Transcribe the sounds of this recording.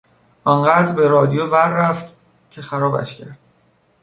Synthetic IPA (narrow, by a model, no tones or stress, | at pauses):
ʔɒnɢæːd̪ɾbe̞ɾɒːd̪ijovæɾːæft̪ | cʰe̞xæɾɒːbæ̰ʃcʰæɾd̪̥̚